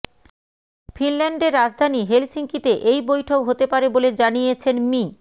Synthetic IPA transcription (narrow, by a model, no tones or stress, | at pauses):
finlɛɳɖeɾːad͡ʑd̪ʱaniɦelsiŋkit̪eʔejbojʈʰokɦot̪epaɾeboled͡ʑanijet͡ɕʰenmi